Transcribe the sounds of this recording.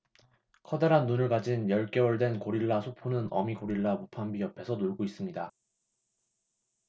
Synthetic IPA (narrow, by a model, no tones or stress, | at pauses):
kʰʌdeɾanːunɯɭkad͡ʑinjʌɭk͈e̞wʌɭdwe̞nkoɾiɭːasʰopʰonɯnʌ̰mikoɾiɭːamopʰambiʌpʰe̞sʰʌnoɭɡois͈ɯmɲida